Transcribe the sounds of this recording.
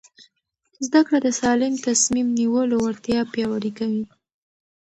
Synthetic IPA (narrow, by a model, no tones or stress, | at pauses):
zd̪akɽad̪əsɑlɪmt̪asmimniwəlowaɾt̪jɑpjɑwaɾikawi